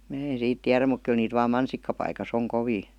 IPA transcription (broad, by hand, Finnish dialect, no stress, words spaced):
mæː en̞ siːt tiæræ muk kyl niːt ʋɑːm mɑnsikːɑpɑikɑs oŋ koʋiː